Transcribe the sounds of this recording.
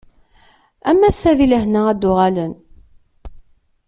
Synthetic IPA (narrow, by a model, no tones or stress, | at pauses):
æmːæsːæðiləɦnææd̪ːʊʁælən